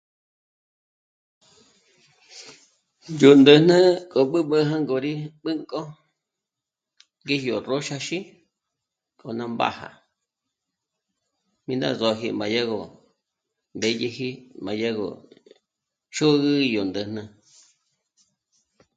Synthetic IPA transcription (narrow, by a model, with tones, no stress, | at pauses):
jo˨nd̪ə˧nə̃˦kʼo˨ɓɨ˦ɓə˦ɦã˦ŋɡo˧ɾi˦ɓɨ˦ŋkʼo˦ | ŋɡe˦hjo˨ro˦ʃa˧ʃi˦ | kʼo˨nã˧mba̰˦ha̰˨ | mĩ˧nd̪a̰˦˨zo˧ɦḭ˧mba˨ja˦ɣo˨ | mbe˧je˧hi˦mã˨˧ja˦ɣo̰˨ | ʃo˦ɣɨ˦jo˨nd̪ə˨n̥ə̃˧